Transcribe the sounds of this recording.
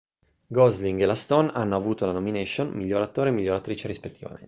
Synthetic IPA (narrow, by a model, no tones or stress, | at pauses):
ɡɔzliŋɡelast̪onanːoavuːt̪olanomineʃonmiʎːoɾat̪oːɾemiʎːoɾat̪ɾiːt͡ʃeɾispet̪ːiva̰mḛn